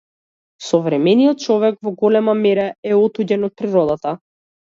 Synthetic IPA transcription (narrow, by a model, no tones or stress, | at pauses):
sɔvɾɛmɛnijɔt̪̚t͡ʃɔvɛkvɔɡɔlɛmamɛɾɛɛɔt̪uɟɛnɔt̪̚pɾiɾɔd̪at̪a